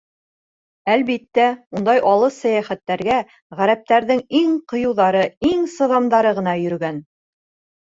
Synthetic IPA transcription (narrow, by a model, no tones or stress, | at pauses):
ælβit̪ːæund̪ɑjʔɑlˠɤsæjæχæt̪ːæɾɡæ | ʁæɾæp̚t̪æɾðɘŋiŋqŏjɤ̆wðɑɾɤiŋsɤ̆ðɑmd̪ɑɾɤʁɤ̆nɑjɵ̆ɾɡæn